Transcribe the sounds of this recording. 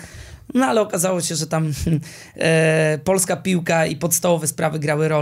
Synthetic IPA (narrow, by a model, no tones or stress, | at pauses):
nɔalɛɔkazawɔɕɛʐɛt̪am̩ | pɔlskapʲiwkaipɔt̪st̪avɔvɛspɾavɘɡɾawɘɾɔ